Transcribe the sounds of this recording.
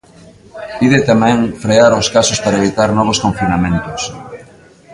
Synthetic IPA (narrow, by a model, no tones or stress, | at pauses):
piðɪt̪amɛ̃ŋfɾeaɾoskasʊspaɾaeβ̞it̪aɾnɔβ̞oskoɱfinamẽnt̪ʊs